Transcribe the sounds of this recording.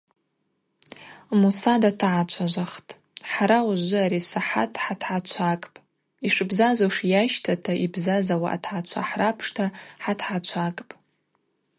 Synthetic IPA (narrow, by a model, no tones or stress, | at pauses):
musadatʰaʕat͡ʃʷʰaʒʷaχtʼ | ħaɾawʒʒʷɨaɾisaħa̰tʰʼħatʰʕat͡ʃʷʰakʼpʼ | iʂɨbzazoʂjaʃtʰatʰaʔibzazawaʔa̰tʰʕat͡ʃʷʰa̰ħrapʰʂtʰaħatʰħat͡ʃʷʰakʼpʼ